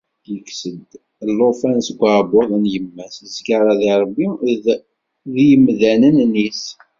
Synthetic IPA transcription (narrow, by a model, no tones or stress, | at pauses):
jəksəd̪ | lːofænsɡʷabʊðˤənjəmːæsəzɡaɾˤɑðiɾˤbːi | ðijəmðænənnis